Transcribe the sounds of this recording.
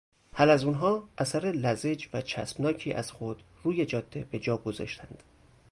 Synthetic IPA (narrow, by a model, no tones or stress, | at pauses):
hælæzunɦɒːʔæsæɾelæze̞d͡ʒvæt͡ʃʰæ̰smnɒːcʰiːʔæz̥xo̞d̪̥ | ruːje̞d͡ʒɒːd̪̥ːe̞be̞d͡ʒɒːɡo̞zɒ̰ʃt̪ʰænd̪̥